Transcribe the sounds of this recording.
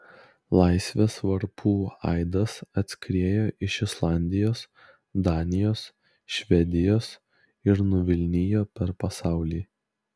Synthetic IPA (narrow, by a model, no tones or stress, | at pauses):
lˠɑˑɪsʲʋʲeːsʋɐɾpʰuːɑ̰ɪd̪ɐsɐt̪ʲsʲkɾʲeːjoːʔɪʃɪslˠɑˑnʲd̪ʲɪjoːs | d̪ɑːnʲɪjoːs | ʃʲʋʲɛd̪ʲɪjoːs | ɪɾnʊʋʲɪlʲnʲɪjoːpʲɛɾpɐsɑˑʊlʲiː